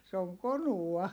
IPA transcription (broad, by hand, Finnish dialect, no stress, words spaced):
se oŋ konuɑ